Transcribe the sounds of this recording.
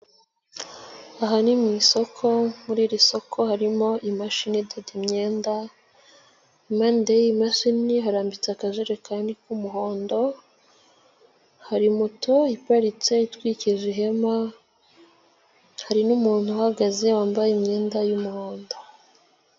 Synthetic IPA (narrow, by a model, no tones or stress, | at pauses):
aɦanimŋiːso̞kʰo̞muɾiːɾiso̞kʰo̞haɾimo̞ʔimaʃinidedimɲeːnda | imandejimaʃiniɦaɾaːmbit͡seakaʒeɾekaːndikumuɦo̞ːndo̞ | haɾimutʰo̞ipaɾit͡se̞itwiːciʒiɦe̞ma | haɾinumuːn̥huhaɡaze̞waːmbajemɲeːndajumuhoːndo̞